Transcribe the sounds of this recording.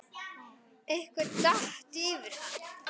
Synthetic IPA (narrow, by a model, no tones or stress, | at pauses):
ehkvɪɾt̪aht̪iːvɪɾ̥θa